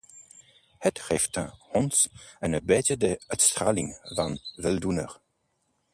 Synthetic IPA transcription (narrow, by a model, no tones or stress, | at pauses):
hɛtχɛftʰə̰̃hɔnsənəbɛtədəœtst̪ɾaːliŋvanvɛldunə̰ʁ